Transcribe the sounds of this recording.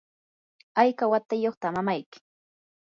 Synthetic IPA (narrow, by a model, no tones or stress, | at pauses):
ajkawat̪ajoχt̪amamajkɪ̥